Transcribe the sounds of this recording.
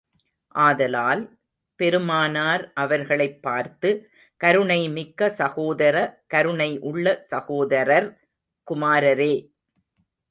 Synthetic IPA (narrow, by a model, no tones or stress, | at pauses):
ʔaːðɐlaːl | pɛɾɯmaːnaːɾʔɐʋɐɾɣɐɭɐɪpːaːɾt̪ɯ | kɐɾɯɳɐɪmɪkːɐsɐɣoːðɐɾɐkɐɾɯɳɐɪʔʊɭːɐsɐɣoːðɐɾɐɾ | kʊmaːɾɐɾeː